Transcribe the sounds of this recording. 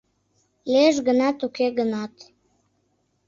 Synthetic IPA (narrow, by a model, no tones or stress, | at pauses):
leʒɡənɑt̪ukeɣənɑt̪